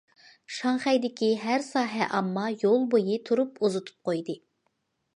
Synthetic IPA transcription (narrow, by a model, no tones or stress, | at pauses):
ʃɑŋχɛjd̪ɪkʲʰiɦæɾsɑːɦɛʔɑmːɑjolˠbojit̪ʰuɾupuzut̪ʰu̥p̚qʰojd̪ɨ